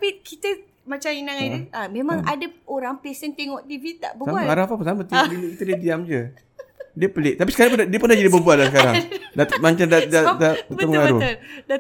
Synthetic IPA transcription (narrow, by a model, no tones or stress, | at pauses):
t̪apikit̪ə | mat͡ʃaminaŋaamẽmãŋʔadəoɾaŋpesənt̪eŋɔʔdivit̪a̰ʔbəsaaaɾafapunsamət̪iiluʔkit̪ədiədiamd͡ʒə | diəpəlɪʔt̪apisə̥kaɾaŋp̬undiəpənahd͡ʒadibəbuaʔlasəkaɾa̰ŋdat̪maɲt͡ʃandadadadaəməŋaɾuda